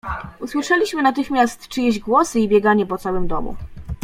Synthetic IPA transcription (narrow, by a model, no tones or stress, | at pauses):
uswɘʂɛlʲiɕmɘnat̪ɘxmʲjast̪t͡ʂɘjeʑɡwɔsɘibʲjɛɡaɲɛpɔt̪sawɘmd̪ɔmṵ